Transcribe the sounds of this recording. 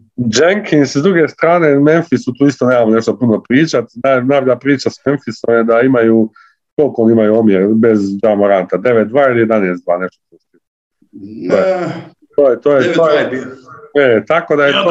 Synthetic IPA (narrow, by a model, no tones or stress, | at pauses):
d͡ʒeŋkʰinszd̪ɾuɡest̪ɾaːneme̞nfisut̪uːist̪oneːmamoneʃt̪opuno̞pɾiːt͡ʃat̪nanajboʎapɾiːt͡ʃasmenfisomjed̪aimaju | kolˠkoonimajuomjeɾbe̞zd͡ʒamoɾant̪ad̪e̞ʋet̪̚d̪ʋaːilijed̪aneːst̪d̪ʋaːne̞ʃt̪ot̪ust̪i | oj | t̪oːjet̪oːjeoːj | et̪ako̞d̪ajet̪o